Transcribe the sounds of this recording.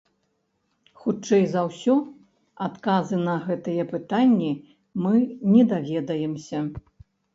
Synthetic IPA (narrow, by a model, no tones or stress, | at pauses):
xut͡ʂɛjzɐwsʲɔ | at̪kazɨnɐɣɛt̪ɨjɛpɨt̪anʲːi | mɨnʲɛd̪avʲɛd̪ɐjɛmsʲɐ